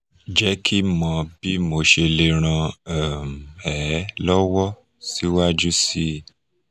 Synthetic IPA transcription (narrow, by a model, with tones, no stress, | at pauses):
d͡ʒɛ˦kʰi˦mɔ̃˧bi˦mo˨ʃe˧le˧ɾ̃ã˧ɛ˨m̩˨ɛ˨˦lɔ˦wɔ˦ | si˦wa˦d͡ʒu˦si˦